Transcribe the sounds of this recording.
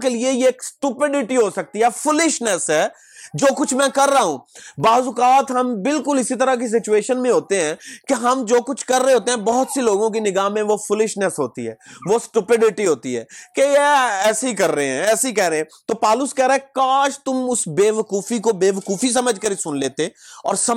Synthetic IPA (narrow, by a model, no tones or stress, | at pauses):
keliejeːksʈupɪɖɪʈiɦosɐk̚t̪iɦɛːfʰʊlɪʃnəsɦɛː | d͡ʒoːkʊt͡ʃʰmɛ̃kɐɾːaɦũːbaːʋzʊkaːt̪ɦɐmbɪlkʊlɪsit̪̬ɐɾak̬is̬ɪt͡ʃueːʃənmẽɦoːt̪eɦɛ̃ːkeɦɐmd͡ʒoːkʊt͡ʃʰkɐɾːeɦoːt̪eɦɛ̃ːbɔɦʊt̪seloːɡõk̬inɪɡaːmẽʋofʰʊlɪʃnəsɦoːt̪iɦɛ̰ːʋosʈʊpɪɖɪʈiɦoːt̪iɦɛ̰ːkejeɛːseikɐɾːɐɦeɦɛ̃ɛːseikɛːɾeɦɛ̃t̪oːpaːlʊskɛːɾaɦɛkaːʃt̪ʊmʊsbeːʋɐkuːfikobeːʋɐkuːfis̬ɐməd͡ʒʱkɐɾisʊnleːt̪eɔ̰ːɾsɐ